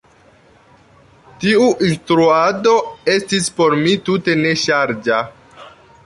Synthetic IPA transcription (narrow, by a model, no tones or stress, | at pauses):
tiuʔinstɾuado̞e̞stispo̞ɾmitute̞ne̞ʃaɾd͡ʒa